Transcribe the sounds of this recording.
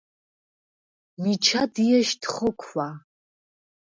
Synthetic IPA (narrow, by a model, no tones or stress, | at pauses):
mit͡ʃʰadijɛʃtχəkʷʰːa